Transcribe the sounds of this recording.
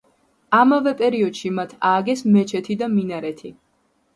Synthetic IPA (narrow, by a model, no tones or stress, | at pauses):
amavɛpʼɛɾiɔd̪̥ʃimat̪ʰaːɡɛsmɛt͡ʃʰɛt̪ʰid̪aminaɾɛt̪ʰi